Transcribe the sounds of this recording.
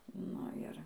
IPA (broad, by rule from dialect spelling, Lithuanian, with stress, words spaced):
ˈnʊ ɪr